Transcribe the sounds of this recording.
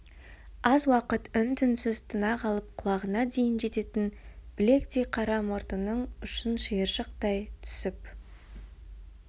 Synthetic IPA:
ɑzwɑqət̪ʏnt̪ʰʏnsɪzt̪ʰənɑʁɑlˠəp̚qʰʊlˠɑʁənɑd̪e̞jɪnʒe̞t̪e̞t̪ɪnb̥ɪle̞kt̪ejqʰɑɾɑmoɾt̪ənəɴʏʃənʃəjəɾʒəqt̪ɑjt̪ʰʏ̥sɪp

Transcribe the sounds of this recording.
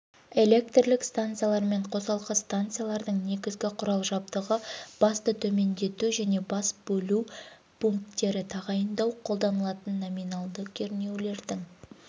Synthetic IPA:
e̞lʲe̞k̚t̪rlɪkst̪ant̪sɨijalˠɑɾme̞ɴqʰo̞sɑlˠqəst̪ant̪sɨjalˠɑɾd̪əɴne̞ɡʲɪzɡʲɪqʰʊɾɑlˠʒɑbt̪əʁəb̥ɑst̪ət̪ʰɵme̞nd̪e̞t̪uʒæne̞bɑsb̥ɵlu | pʰuŋkt̪ːe̞ɾɪt̪ʰɑʁɑjənd̪ɑwqʰo̞lˠd̪ɑnəlˠɑt̪ənːominɑlˠd̪əkʲʰeɾne̞wle̞ɾd̪ɪŋ

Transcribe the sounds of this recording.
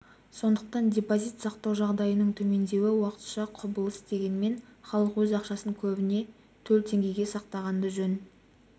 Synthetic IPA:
so̞nd̪əq̚t̪ɑndʲe̞pozit̪sɑqt̪ɑwʒɑʁd̪ɑjənəɴt̪ʰɵme̞nd̪e̞wɪwɑqə̥t̪ʃɑqʰʊbəlˠəst̪e̞ɡʲe̞nme̞nχɑlˠəqwɵzɑqʃɑsəŋkʲʰɵbɪne̞ | t̪ʰɵlt̪ʰe̞ŋʲɡʲe̞jɡʲe̞sɑq̚t̪ɑʁɑnd̪əʒɵn

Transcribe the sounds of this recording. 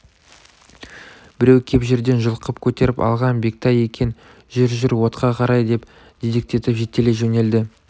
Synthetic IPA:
b̥ɪɾewkʲʰe̞pʒe̞ɾd̪e̞nʒəlˠqəpkʲʰɵt̪e̞ɾɪpɑ̰lˠʁɑnbe̞k̚t̪ɑje̞kʲe̞n | ʒɪɾʒɪɾwo̞t̪qɑqʰɑɾɑjd̪e̞p | d̪̥ed̪ɪk̚t̪e̞t̪ɪpʒe̞t̪ːe̞leʒene̞ld̪ɪ

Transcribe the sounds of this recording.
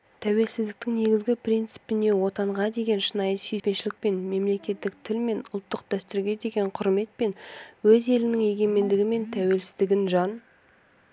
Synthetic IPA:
t̪ʰæwe̞lsɪzd̪ɪk̚t̪ɪŋne̞ɡʲɪzɡʲɪpɾʲint̪sɨ̥pɪne̞wo̞t̪ɑɴʁɑd̪e̞ɡʲe̞nʃənɑjəsijt̪pe̞ʃɪlɪk̚pe̞nme̞mle̞kʲe̞t̪ːɪk̚t̪ʰɪlme̞nʊlˠt̪ːəq̚d̪̥æst̪ɪɾɡʲe̞d̪e̞ɡʲe̞ɴqʰʊɾme̞t̪̚pe̞nwɵze̞lɪnɪŋe̞ɡʲe̞me̞nd̪ɪɡʲɪme̞nt̪ʰæwe̞lsɪzd̪ɪɡʲɪnʒɑn

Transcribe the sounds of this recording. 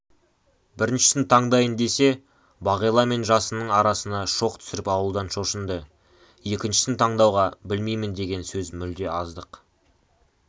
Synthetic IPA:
bɪɾɪnʃɪ̥sɪnt̪ʰɑɴd̪ɑjənd̪e̞se̞ | bɑʁijlˠɑme̞nʒɑsənəɴɑɾɑsənɑʃo̞qt̪ʰʏ̥sɪɾɪpɑwəlˠd̪ɑnʃo̞ʃənd̪ə | je̞kʲɪnʃɪ̥sɪnt̪ʰɑɴd̪ɑwʁɑbɪlmejmɪnd̪e̞ɡʲe̞nsɵzmʏld̪e̞ɑzd̪əq

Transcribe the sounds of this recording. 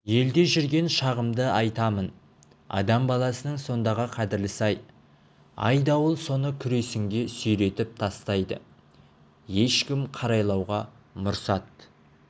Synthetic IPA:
je̞ld̪e̞ʒʏɾɡʲe̞nʃɑʁəmd̪əɑjt̪ɑmən | ɑ̰d̪ɑmbɑlˠɑsənəɴso̞nd̪ɑʁəqʰɑd̪ɪɾlɪsɑj | ɑ̰jd̪ɑwəlˠso̞nəkʲʰʏɾe̞sɪŋɡʲe̞sʏjɾe̞t̪ɪp̚t̪ʰɑst̪ɑjd̪ə̰ | je̞ʃkʲɪmqʰɑɾɑjlˠɑwʁɑ | mʊɾsɑt̪̚

